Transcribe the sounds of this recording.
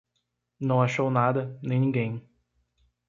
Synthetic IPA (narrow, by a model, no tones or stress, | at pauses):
nɐ̃w̃aʃownad̪ɐnẽj̃nĩŋɡẽj̃